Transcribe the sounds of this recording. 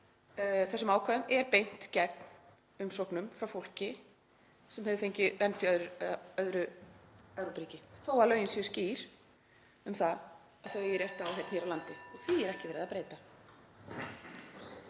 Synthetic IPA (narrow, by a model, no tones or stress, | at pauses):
θɛsːʏmaːwkʰaðʏmɛɾpejn̥t̪cɛt̪n̥ | ʏmsohknʏmfɾawfowl̥cɪ | sɛmhɛvʏfejɲcɪvɛnt̪ɪœðɾœðɾʏ | œɾupɾiːcɪθowalœːɥjɪnsjʏsciːɾ̥ | ʏmθað | aðθœɥjɛɾjɛht̪awɦejt̪n̥çɛɾawlant̪ɪɔθiɛɾɛhcɪvɛɾɪðapɾeːjt̪a